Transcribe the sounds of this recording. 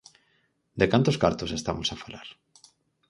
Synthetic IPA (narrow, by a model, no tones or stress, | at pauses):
d̪ekant̪oskaɾt̪osest̪amosafalaɾ